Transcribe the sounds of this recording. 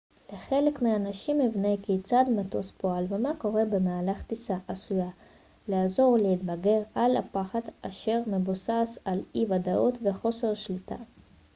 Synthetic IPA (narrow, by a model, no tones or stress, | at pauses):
leχe̞le̞kmiaːnaʃimivnekit͡sad̪mato̞spoalvemako̞ʁe̞be̞maːlaχt̪isaʔasuja | leazo̞ʁlehit̪̚baɡe̞ʁala̰paχad̪aʃe̞ʁmebosasalivadaʔot̪ve̞χo̞se̞ʁʃlitʰa̰